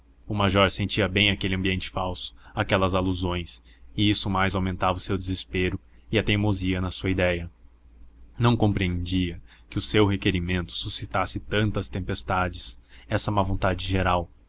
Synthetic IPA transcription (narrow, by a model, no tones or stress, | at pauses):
ʊmaʒɔɾsẽnt͡ʃiɐbẽj̃akelɪɐ̃mbiẽnt͡ʃɪ̥fawsʊ̥akɛlɐzaluzõj̃sɪisʊmajzawmẽnt̪avɐʊsewd̪ezespeɾʊ | ɪɐt̪ejmoziɐnɐsuɐid̪ɛjɐ | nɐ̃w̃kõmpɾiẽnd͡ʒiɐ | kɪʊsewɦekeɾimẽnt̪ʊ̥susit̪asɪt̪ɐ̃nt̪ɐst̪ẽmpest̪ad͡ʒɪsɛsɐmɐvõnt̪ad͡ʒɪʒeɾaw